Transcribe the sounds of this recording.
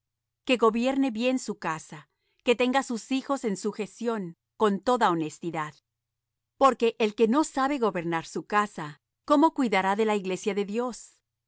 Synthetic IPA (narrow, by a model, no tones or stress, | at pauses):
ke̞ɣo̞βje̞ɾne̞βje̞nsukasa | ke̞t̪e̞ŋɡasusixo̞se̞nsuxe̞sjo̞ŋ | ko̞nt̪o̞ðaonest̪iðað | po̞ɾke̞ʔelke̞no̞saβe̞ɣo̞βe̞ɾnaɾsukasa | ko̞mo̞kwiðaɾaðe̞laiɣle̞sjaðe̞ðjo̞s